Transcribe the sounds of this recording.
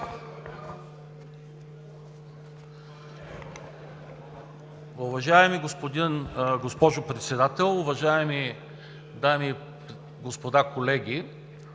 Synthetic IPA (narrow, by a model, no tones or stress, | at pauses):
ʊvɐʒaɛmiɡospod̪inɡospɔʒʊpɾɛt̪sɛd̪at̪ɛlˠʊvɐʒaɛmi | d̪ami | ɡospod̪akolɛɡʲi